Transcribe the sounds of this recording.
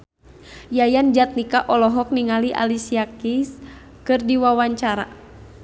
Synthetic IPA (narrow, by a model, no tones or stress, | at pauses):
jajand͡ʒat̪̚nikaʔɔlɔɦɔk̚niŋaliʔa̰lisiakis | kɨrdiwawaɲt͡ʃaɾa̰